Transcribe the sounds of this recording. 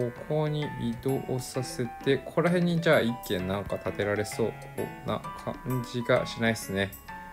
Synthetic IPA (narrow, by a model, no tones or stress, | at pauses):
okʰo̞ːɲ̟iid̪o̞ʔosase̞t̪e̞kʰo̞ɾaɦẽ̞ɲ̟ːid͡ʑaːikːẽ̞nnːãŋkat̪at̪e̞ɾaɾe̞so̞ː | na̰kʰa̰ɲd͡ʑiɡaɕinaisɨne̞